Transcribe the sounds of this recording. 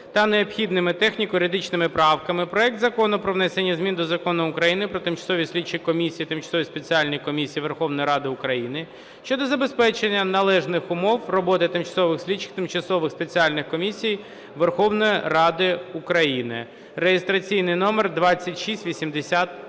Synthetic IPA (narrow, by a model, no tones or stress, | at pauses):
t̪ɐneɔpxʲid̪nɪmɪt̪ɛxnʲikʊɾʲɪd̪ɪt͡ʃnɪmɪpɾɑwkɐmɪpɾɔɛk̚t̪zɐkɔnʊpɾɔʋnɛsenʲːɐzʲmʲind̪ɔzɐkɔnʊːkɾɐjinɪpɾɔt̪ɪmt͡ʃɐ̥sɔʋʲisʲlʲid̚t͡ʃɪkɔmʲisʲijit̪ɪmt͡ʃɐ̥sɔʋʲispe̞t͡sʲialʲnʲijkɔmʲisʲijiʋerxɔʋnɔjiɾɑd̪ɪʊkɾɐjinɪ | ʃt͡ʃɔd̪ɔzɐbespɛt͡ʃenʲːɐnɐlˠɛʒnɪxʊmɔwrɔbɔt̪ɪt̪ɪmt͡ʃɐ̥sɔʋɪxsʲlʲid̪t͡ʃːɪ̥kt̪ɪmt͡ʃɐsɔʋɪxspet͡sʲialʲnɪxkɔmʲisʲij | ʋerxɔwnɔjirɑd̪ɪukɾɐjinɪ̰ | ɾejest̪ɾɐt͡sʲijnɪjnɔmerd̪ʋɑt͡sʲːɐtʲʃisʲtʲʋʲisʲimd̪esʲat̪̚